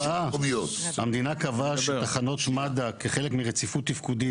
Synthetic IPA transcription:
aviot̪hamd̪inakavaʃet̪aχano̞t̪ʃmad̪akeχelekmiʁet͡sifut̪ːifkud̪i

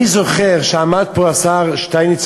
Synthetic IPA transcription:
izoχɛʁʃamad̚puasaʁʃtaɪnɪt͡s

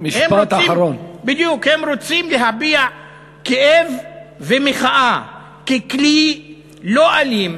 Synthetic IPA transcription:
miʃhempaot̪aaaɾonbid̪jukhemɾot͡simleɦabia | keʔevvemeχaʔa | kekli | lo̞ʔalim

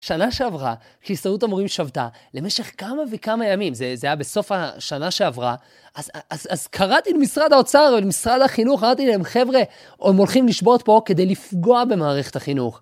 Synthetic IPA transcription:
ʃanaʃe̞avʁa | kisaut̪amoʁimʃavt̪a̰lemeʃe̞χkamavekamajamimzezeajabe̞so̞faʃanaʃe̞avʁa | ʔazazazkʰaʁat̪ilemisʁad̪aot͡saʁvelemisʁad̪haχinuχaʁat̪ileemχe̞vʁe̞ | ʔomo̞lχimliʃbo̞t̪̚po̞ke̞d̪e̞jlifɡo̞abe̞maːʁe̞χet̪haχinuχ

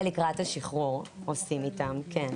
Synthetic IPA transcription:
likʁathaʃiχuʁosimitamkʰen

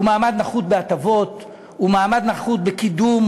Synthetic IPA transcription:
umaːmad̪naχut̪̚beat̪avo̞t̪ | umaːmad̪naχut̪bekid̪um

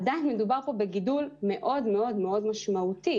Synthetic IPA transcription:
dainmedubaʁpo̞be̞ɡidulme̞ʔo̞dme̞o̞dmeo̞dmaʃmaut̪i

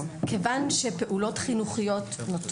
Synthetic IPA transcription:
kʰevanʃepe̞ʔulo̞tχinuχijo̞tnot

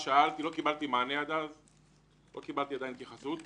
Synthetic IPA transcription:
ʃaalt̪ilo̞kibalt̪imanead̪az | lo̞kibalt̪iadajint̪jaχasut̪

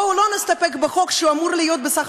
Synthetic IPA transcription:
ulonist̪apekbeχo̞kʃuamuʁlijot̪̚besaχ

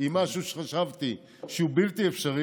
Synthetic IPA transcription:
imaʃuʃe̥χaʃavt̪i | ʃeubilt̪iefʃaʁi

